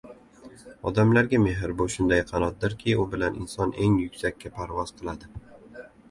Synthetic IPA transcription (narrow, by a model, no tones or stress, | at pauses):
ɒ̰d̪amlaɾɡʲame̞ɦɪɾbʊʃʊnd̪ajqʰɑnɒt̪̚d̪ɪɾkʲʰɪʊbɪlanʔɪ̰nsɒne̞ŋjʊkʲsakʲʰːapʰaɾvɒz̥qʰɨlˠad̪ɪ